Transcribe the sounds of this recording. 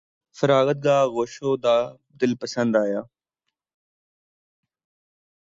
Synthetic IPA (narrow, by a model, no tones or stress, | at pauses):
fəɾaːɣət̪̚ɡaːɣoːʃoːd̪aː | d̪ɪlpəsə̃nd̪aːjaː